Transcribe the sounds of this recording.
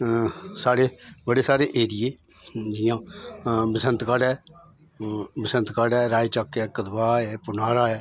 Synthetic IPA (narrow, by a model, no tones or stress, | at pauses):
saːɽeːbəɽeːsaːɾeːʔeːɾɪjeː | d͡ʒɪjãːbəsənt̪kaɖɛː | bəsə̃nt̪kaɖɛːɾaːit͡ʃəkɛːkəd̪baːɛːpʊnaːɾaːɛː